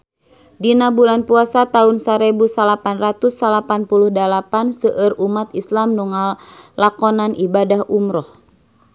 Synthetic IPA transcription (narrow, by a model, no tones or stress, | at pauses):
dinabulanpuasat̪aunsaɾɛbusalapanrat̪usːalapanpuluhdalapansəʔərumat̪islamnuŋalakɔnanibadahʔumɾɔh